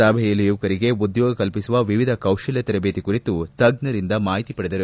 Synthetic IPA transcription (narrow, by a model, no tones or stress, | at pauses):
aːbʱɛjɐlːijuːɐkɐɾiɡe̞ud̪joːɡɐkɐlpisuʋɐʋiʋid̪ʱɐkɐwʃɐljɐt̪ɛɾɐbeːt̪ikuɾit̪ut̪ɐɡnɐɾind̪ɐmaːɦit̪ipɐɽed̪ɐɾu